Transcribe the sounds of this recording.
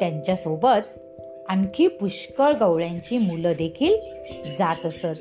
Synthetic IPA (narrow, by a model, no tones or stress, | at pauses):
t̪jãɲt͡ɕjasobət̪ | aŋkʰiːpuɕkəɾɡəwɭjãɲt͡ɕiːmuləd̪ekʰiːl | d͡zat̪əsət̪̚